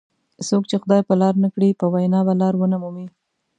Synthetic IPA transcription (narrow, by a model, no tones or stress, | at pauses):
sokt͡ʃexʊd̪ɑjpəlɑɾnakɽipəwajnɑbalɑɾwənamumi